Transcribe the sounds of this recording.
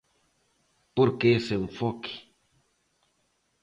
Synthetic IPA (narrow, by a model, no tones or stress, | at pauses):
poɾkesem̩fɔki̥